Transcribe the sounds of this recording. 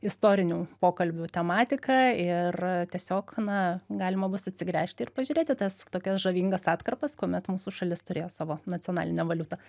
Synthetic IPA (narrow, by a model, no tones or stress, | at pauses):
ɪst̪oːɾʲɪnʲuːpoːkɐlʲbʲʊt̪ʲɛmɑːt̪ʲɪkɑɪrt̪ʲiɛsʲoːknɐɡɑːlʲɪmɐbʊsɐt̪ʲsʲɪɡɾʲæːʃʲtʲɪɪrpɐʒʲʊːɾʲeːt̪ʲɪt̪ɐst̪oːkʲɛsʒɐʋʲiːŋɡɐsɑːt̪kɐrpɐskoːmʲɛt̪muːsuʃɐlʲɪst̪ʊɾʲeːjoːsɑːʋoːnɐt͡sʲɪoɔnɑːlʲɪnʲɛʋɐlʲʊt̪ɐ